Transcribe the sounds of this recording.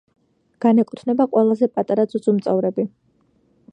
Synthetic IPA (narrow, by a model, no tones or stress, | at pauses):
ɡ̥anɛkʼut̪ʰnɛbaqʼwɛlˠazɛpʼat̪ʼaɾad̪zʼud̪zʼumt̪sʼɛvɾɛbi